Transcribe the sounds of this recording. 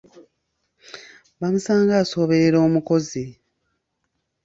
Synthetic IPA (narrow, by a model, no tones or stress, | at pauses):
βamusaːŋɡaːso̞ːβe̞ɾe̞ɾo̞ːmuko̞zi